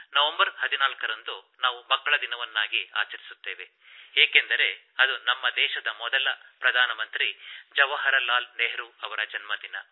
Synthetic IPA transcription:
nɐʋɐmbɐɾhɐd̪inaːlkɐɾɐnd̪unaːʋumɐkːɐɭɐd̪inɐʋɐnːaːɡia̰ːt͡ʃɐɾisu̥t̪ːeːʋe̞ | eːke̞nd̪ɐɾe̞ | ɐd̪unɐmːɐd̪ɛːʃɐd̪ɐmɔd̪ɐlɐpɾɐd̪ʱaːnɐmɐnt̪ɾid͡ʒɐʋɐɦɐɾɐlaːlneːɦɾuɐʋɐɾɐd͡ʒɐnmɐd̪inɐ

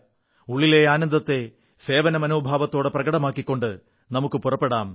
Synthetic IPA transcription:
uɭːile̞aːnɐnd̪ɐt̪ːe̞ | se̞ːʋɐnɐmɐno̞ːbʱaːʋɐt̪ːo̞ːɽeprɐɡɐɽɐmaːkːikʲːo̞ɳɖɨ | nɐmukːɨpurɐpːe̞ɽaːm

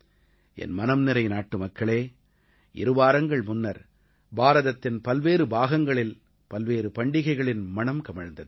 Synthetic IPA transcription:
ʔɛ̰nmɐnɐmnɪɾɐɪnaːʈːɯmɐkːɐɭeː | ʔɪɾɯʋaːɾɐŋɡɐɭmʊnːɐɾ | baːɾɐðɐt̪ːɪnpɐlʋeːɾɯbaːɣɐŋɡɐɭɪl | pɐlʋeːɾɯpɐɳɖɪɣɐɪɣɐɭɪnmɐnɐmkɐmɐɻɐnd̪ɐð

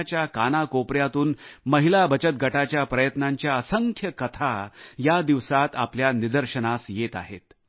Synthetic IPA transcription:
t͡ɕjakanakopɾjat̪uːnməɦilabət͡ɕət̪̚ɡʱəʈat͡ɕjapɾəjət̪naɲt͡ɕjaəsəŋkʰjəkət̪ʰajad̪iʋsat̪a̰pljanid̪əɾɕənasjet̪a̰ɦḛt̪

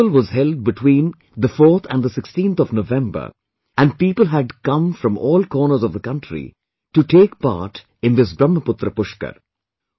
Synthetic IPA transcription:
əlʋɔzhɛlɖ̚bɪʈʰwĩːn | d̪əfɔːɾt̪ʰæ̰̃nd̪əsɪkstĩnt̪ʰɔʋnoʋɛ̃mbə̰˞ | æ̃n̚piːpəlˠɦæɖkʌ̃mfɾʌ̃mɔːlkɔːnə˞zɔvðəkʌ̃nʈɾḭ | ʈuʈeːkpa̰ːɾʈ | ɪ̃nd̪ɪs̬bɾʌ̃mːəpʊt̪ɾəpʊʃkə̰ɾ

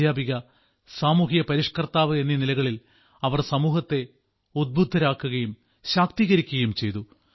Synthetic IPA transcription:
jaːbiɣɐ | saːmuːɦijɐpɐɾiʂkɐrt̪aːʋɨenːinilɐɣɐɭil | ɐʋɐrsɐmuːhɐt̪ːe̞ | ud̪̚bud̪ʱːɐɾaːkːuɣɐjum | ɕaːk̚t̪iɣɐɾikʲːuɣɐjumt͡ɕe̞jt̪u

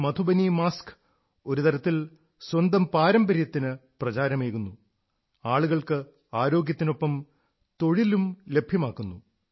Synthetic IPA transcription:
mɐt̪ʰubɐnimaːsk | o̞ɾut̪ɐɾɐt̪ːil | swɐnd̪ɐmpaːɾɐmbɐɾjɐt̪ːinɨprɐt͡ɕaːɾɐmeːɣunːu | aːɭuɣɐɭkɨ | aːɾo̞ːɡjɐt̪ːino̞pːɐm | t̪o̞ɻilumle̞bʱjɐmaːkːunːu

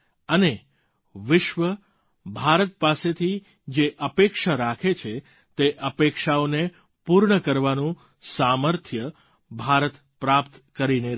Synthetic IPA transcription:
əne | ʋɪʃʋə | bʱaɾət̪̚paset̪ʰi | d͡ʒeʔəpekʃaɾakʰet͡ʃʰe | t̪eʔəpekʃaone | puɾɳəkəɾʋanũ | saməɾt̪ʰjə | bʱaɾət̪ | pɾapt̪kəɾine

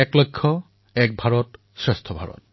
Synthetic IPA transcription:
ɛklojkʰːɔ | ɛk̚bʱaɹɔt | sɹɛstʰɔbʱaɹɔ̰t̚

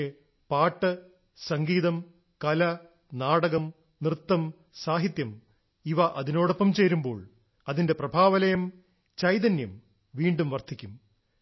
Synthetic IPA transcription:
e | paːʈːɨ | sɐŋɡiːðɐm | kɐlɐ | naːɽɐɣɐm | nrɨt̪ːɐm | saːɦit̪jɐm | iʋɐʔɐðino̞ːɽopːɐmt͡ɕe̞ːɾumbo̞̰ːɭ | ɐðinde̞prɐbʱaːʋɐlɐjɐm | t͡ɕɐjd̪ɐnjɐm | ʋiːɳɖumʋɐrt̪ʰikʲːum

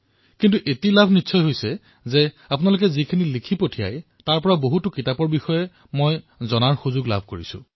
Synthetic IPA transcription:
kintuʔetilabʱnitsʰɔjɦojsɛ | zɛ | ap̬ʊnalok̬ɛzikʰinilikʰipotʰija̰j | taɹpɔɹaboɦutʊkitapɔɹbixɔjɛ | moj | zɔnaɹxuzʊɡla̰bʱkoɹḭsʊ̰̃

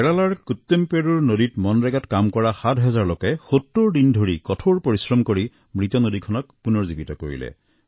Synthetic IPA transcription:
ɛɹalaɹkut̪ːempeɹuɹnoditmɔnɹɛɡatkamkɔɹaxatɦɛzaɹlokɛxotːuɹdindʱoɹikɔtʰoɹpoɹisɹɔmkoɹi | mɹit̪ɔnodikʰɔnɔkpunɔɹzibitɔko̰ɹḭlɛ̰

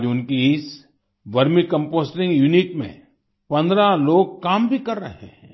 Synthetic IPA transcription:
d͡ʒʊnkiɪs | ʋɐɾmikɐ̃mpoːsʈɪ̃ŋɡjuniʈmḛ̃ | pɐ̃nd̪ɾaloːɡ̚kaːmbʱikɐɾːɐɦeḛ̃

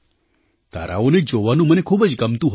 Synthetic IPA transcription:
t̪a̰ɾa̰oned͡ʒoʋanũmənekʰubəd͡ʒɡəmt̪ũɦə

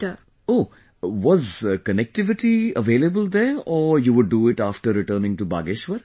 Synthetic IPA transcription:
oː | ʋɔzkənɛk̚ʈɪʋɪʈiəʋeːləbəld̪ɛːɾɔːjuʋʊɖːuɪʈaːfʈəɾɾɪʈəːnɪ̃ŋʈuba̰ːɡɪʃʋəɾ

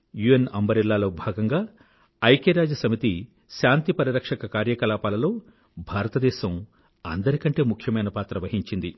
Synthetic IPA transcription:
juenɐ̰mbɐɾilːaːlo̞ːbʱaːɡɐŋɡaː | ɐjkeːɾaːd͡ʒɐsɐmit̪i | ʃaːnt̪ipɐɾiɾɐkʂɐkɐkaːɾjɐkɐlaːpaːlɐlo̞ː | bʱaːɾɐt̪ɐd̪ɛːʃɐm | ɐ̰nd̪ɐɾikɐɳʈe̞ːmukʰjɐmɐjnɐpaːt̪ɾɐʋɐɦiɲt͡ʃind̪i

